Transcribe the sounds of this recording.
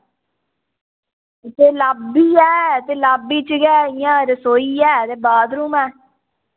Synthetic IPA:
t̪eːlaːbiːɛːt̪eːlaːbiːt͡ʃəɡɛːɪjãːɾəsoːiːɛːt̪eːbaːd̪ɾuːmɛː

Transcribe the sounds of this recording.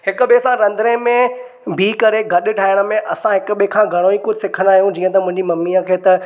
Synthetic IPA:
hɪkʊ̆ɓesãɾɐ̃nd̪ɾẽmẽ | bʱiːkɐɾeɡɐɗɪ̆ʈʰaːɪɽ̃ə̆mẽʔɐsãɦɪkʊ̆ɓekʰãːɡʱɐɽ̃õiːkʊd͡ʑʱɪsɪkʰənd̪aːɦijũd͡ʑiːə̃t̪ɐmʊ̃ɦɪ̃ɲd͡ʑimɐmːiːəkʰeːt̪ɐ

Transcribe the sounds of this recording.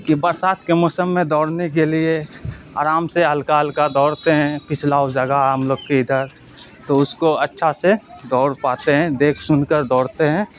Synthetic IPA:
kibɐɾsaːt̪ʰkemɔːsəmːẽd̪ɔːɽnek̬eliea̰ːɾaːmseɦɐlkaɦəlkad̪ɔːɽt̪eɦɛ̃pɪt͡ʃʰlaːwd͡ʒɐɡaɦəmloːɡkeɪd̪əɾ | t̪oʊskoɐtːʃʰased̪ɔːɾpaːt̪eɦɛ̃d̪eːkʰsʊnkəɾd̪ɔːɽt̪eɦɛ̃ː

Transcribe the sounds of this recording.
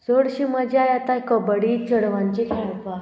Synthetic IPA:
d͡zoɽɕiməd͡ʑeajat̪akəbəɽit͡səɽʋãɲt͡ɕikʰɛɭpa

